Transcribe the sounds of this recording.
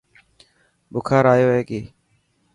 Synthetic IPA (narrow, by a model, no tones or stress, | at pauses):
bʊkʰaːɾaːjoːɦeːkiː